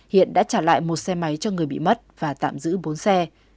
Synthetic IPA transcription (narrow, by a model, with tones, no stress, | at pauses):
hḭ˧˨ənɗa̰ː˧˥t͡ɕaː˧˩la̰ː˧˨jmo˨˩t̚sɛ˧ma˨˦jt͡ɕɔ˧ŋɨ˨˩əjɓḭ˧˨mə˦˥t̚v̥aː˨˩t̪a̰ː˧˨mzɨ̰˧˥ɓo˨˦nsɛ˧